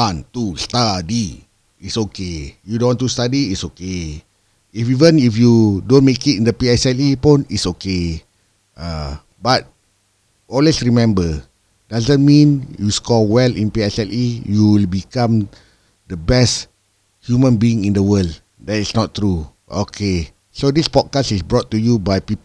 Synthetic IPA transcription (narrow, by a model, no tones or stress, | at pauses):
ãntustadi | itsokejudõnwɔ̃ntustadiitsoke | ifivə̃nifjudõnmekitĩndəpiɛsɛlipũnitsoke | a | bat̚ | ɔlwesɹimɛ̃mbə | d̥azə̃nmĩnjuskɔwɛlḭ̃npiɛsɛlijuwilbikãm | dəbɛst | hjumə̃nbiĩŋĩndəwəld | dɛtisnɔttːɹu | o̰kʰe | sodispɔd̚kastisbɹɔtːujubajpipə